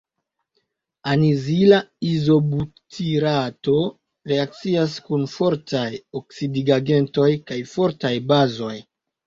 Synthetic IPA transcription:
anizilaizo̞butʰiɾato̞ | ɾe̞ak̚t͡sias̬kunfo̞ɾtajoksidiɡaɡe̞nto̞jkajfo̞ɾtajbazo̞j

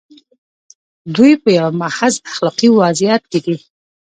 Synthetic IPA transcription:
d̪ujpəjawmahazaxlɑqiwazɪjat̪̚ked̪i

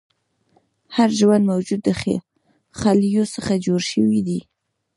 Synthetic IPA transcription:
haɾʒwand̪mawd͡ʒud̪ːəxḛ | xaljosəxad͡ʒoɾʃəwid̪i

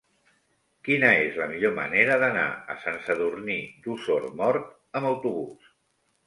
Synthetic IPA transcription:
kinəezləmiʎomə̰neɾəðəna̰ə̰sansəðurnid̪usoɾmɔrt̪ | əməwt̪uβus

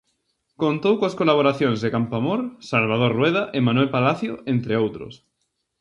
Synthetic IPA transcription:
kont̪owkoaskolaβ̞oɾaθjõŋzðekampamoɾsalβ̞aðoɾrwɛð̞aʔɪmãnwelpalaθjoʔent̪ɾeowt̪ɾʊ̰s

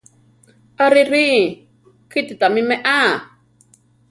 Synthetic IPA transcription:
aɾiɾi | kititamimɛʔa

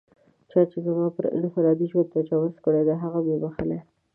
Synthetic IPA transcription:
t͡ʃɑt͡ʃezamɑpəɾ̰nfalɑd̪iʃot̪at͡ʃawəskəɽed̪aɦaɣabebaxale

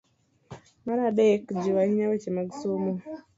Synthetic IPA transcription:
maɾaɗekd͡ʒiwahiɲawet͡ʃemaɡisumo

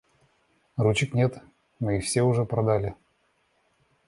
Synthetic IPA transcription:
rut͡ɕɪknʲet̪ | mɨɪfsʲeʊʐɛpɾɐd̪alʲɪ

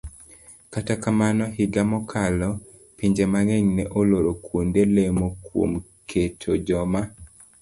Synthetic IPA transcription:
katakamanɔɦiɡamɔkʰalɔ | piɲd͡ʒemaŋeɲnɛʔoloɾokʰwondelemokwo̰m | kʰetʰod͡ʒɔma

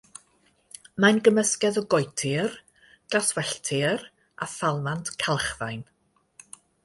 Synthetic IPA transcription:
manɡəməskɛðɔɡɔjtʰɪr | d̥aswɛɬtʰɪr | a̰θalˠmantkʰalˠχðajn

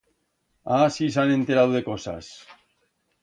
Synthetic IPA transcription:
asisane̞nt̪eɾawðe̞ko̞sa̰s

